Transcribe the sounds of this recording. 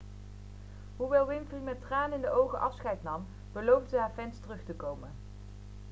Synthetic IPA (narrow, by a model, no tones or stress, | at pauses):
ɦuʋɛlˠʋɪnfrimɛtraːnɪndəowχəʔɑfsχɛjtnɑm | b̥əlowvdəɦaːɹvɛnstərɵχtəkowmən